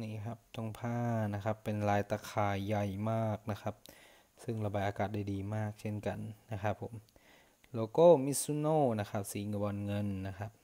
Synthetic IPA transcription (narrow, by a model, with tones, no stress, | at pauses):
niː˧˩˨kʰa˦˥p̚t̪ɔ˧˩ŋpʰaː˧˥˩na˦˧kʰa˧˥pːe˨nlaː˨˦jt̪aː˧kʰaː˨˧jːa˧˩jmaː˥˩k̚na˦˥xʰa˦˧˥p̚ | sɯ˧˩ŋla˧baː˧jʔaː˧kaː˨˩t̪̚da˥˩jdiː˨maː˥˩k̚se˥˩nka˨nːa˦˥xʰa˦˥pʰːo˨˦m | loː˧˦koː˥˨mi˦˥su˧˥noː˧˩˨na˦˧xʰa˦˧˥p̚siː˨˦ŋa˧bɔː˧˨nŋɤ˧˨nːa˦˧˥kʰa˦˥p̚